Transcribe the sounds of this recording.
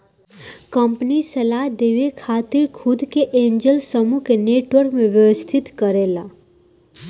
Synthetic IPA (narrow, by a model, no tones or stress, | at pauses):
kəmpnisəlaɦd̪eʋekʰaːt̪ɪɾkʰʊd̪keʔẽːɲd͡ʒəlsəmukeneːʈʋəɾkmẽʋjəwəst̪ʰɪt̪kəɾeːla